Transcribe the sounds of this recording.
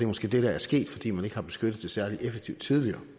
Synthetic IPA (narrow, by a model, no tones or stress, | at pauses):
emɔsɡ̥e̝̰ːd̥eɾææɐsɡ̥e̝̰ːd̥fɒ̽d̥ḭːmæne̝ɡ̥əhɑ̈b̥e̝sɡ̥ød̥ð̩ˠd̥e̝sæɐliʔefeɡ̥̚t͡sʰiʊd̥t͡sʰið̞ˠliɐː